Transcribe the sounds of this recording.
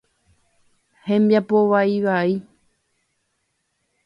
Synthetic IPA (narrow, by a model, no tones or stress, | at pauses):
hẽ̞mbjapoʋaiʋai